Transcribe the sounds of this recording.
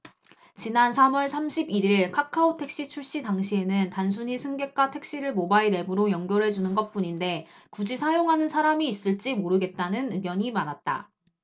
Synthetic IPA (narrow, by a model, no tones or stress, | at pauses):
t͡ɕinansʰamwʌɭsʰamɕʰibiɾiɭkʰakʰaotʰe̞k̚ɕ͈it͡ɕʰuɭɕ͈idaŋɕʰie̞nɯntans̬ʰuɲisʰɯŋɡe̞k͈ʰwatʰe̞k̚ɕ͈iɾɯɭmobaiɾe̞bɯɾojʌŋɡjʌɾɦe̞d͡ʑunɯnɡʌt̚p͈uɲinde̞ | kud͡ʑisʰajoŋɦanɯnsʰaɾamiːs͈ɯɭt͡ɕ͈imoɾɯɡe̞t̚t͈anɯnɯɡjʌɲimanat̚t͈a̰